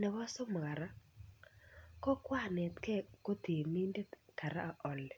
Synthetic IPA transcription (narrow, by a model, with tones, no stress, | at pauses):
nɛ˨wa˦so˦m˨ɣa˨ɾa˦ | kɔ˦kwa˦nɛ˨t̪kɛ˦ko˦t̪e˨mi˦nde˦ka˨ɾa˦a˨ʔɔ˨lɛ˨